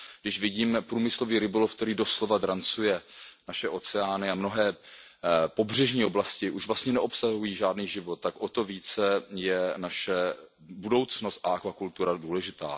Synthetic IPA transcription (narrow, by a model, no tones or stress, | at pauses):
ɡdɪʃvɪɟiːmpɾuːmɪslo̞viːɾɪbolofk̚t̪ɛɾiːdo̞slo̞vad̪ɾant͡sujɛnaʃɛʔo̞t͡sɛaːnɪamno̞ɦɛː | po̞br̝ɛʒɲiːoblascɪʔuʃvlast̪ɲɛnɛʔo̞psaɦujiːʒaːdniːʒɪvot̪̚tːakʔot̪o̞viːt͡sɛjɛnaʃɛ | budo̞wt͡sno̞st̪ʔaʔakvakult̪uɾaduːlɛʒɪt̪a̰ː